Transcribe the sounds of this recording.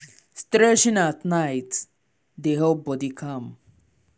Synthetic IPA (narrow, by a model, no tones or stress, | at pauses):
stɾɛʃĩnatnaɪt | d̪eɦobɔdikʰʌ̃m